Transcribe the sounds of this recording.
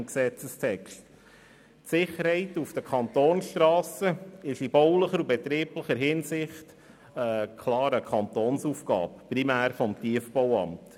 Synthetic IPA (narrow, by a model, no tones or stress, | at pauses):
ksɛt͡səstʰɛkʃt | tsɪχːəɾhɛɪtufd̥əkʰɑnt̪oːnsʃtɾɑːsəɪʃib̥ɔwləχəɾubɛt̪ɾiːpləχəɾɦɪnsɪχt | əkʰlɑːɾəkʰɑnt̪oːnsufɡɑ̰ːpprimæːɾfɔmtiəfbɔwɑ̰mt